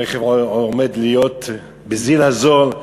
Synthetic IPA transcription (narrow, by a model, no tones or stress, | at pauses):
ɛχɛvɔmɛd̪lijot̪ | bɪzilazol